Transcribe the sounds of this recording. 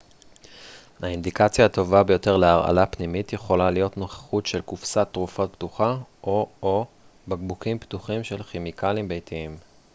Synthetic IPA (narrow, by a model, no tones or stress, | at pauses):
haind̪ikat͡sjaːt̪o̞vabe̞jo̞te̞ʁleaʁʔa̰lapnimitjeχo̞lalijo̞tno̞χḁχutʃe̞lkufsat̪ʁufot̚pt̪uχaʔoo | baɡbukimptuχimʃe̞lχemikʰalimbejtʰiim